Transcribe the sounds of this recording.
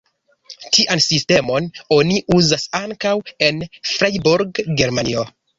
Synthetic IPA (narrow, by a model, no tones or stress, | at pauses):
tʰiʔansiste̞mo̞no̞niʔuzasaŋkawe̞nfɾajbuɾɡɡe̞ɾmanio̞